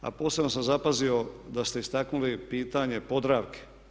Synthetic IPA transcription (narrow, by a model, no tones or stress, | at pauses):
a̰po̞ːsebnosamzapazio̞d̪ast̪e̞ist̪aknulipiːt̪aɲe̞po̞d̪ɾaːʋke̥